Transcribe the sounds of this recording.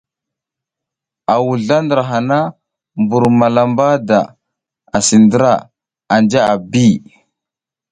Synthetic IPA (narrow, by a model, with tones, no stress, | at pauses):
a˨wu˨ɮa˦ndə˨ɾa˨ɦa˨na˦ | mbu˨ɾma˨la˨mba˦da̰˨ | a˨si˨ndə˦ɾa˨ | a˨nd͡ʒa˦a˨bi˦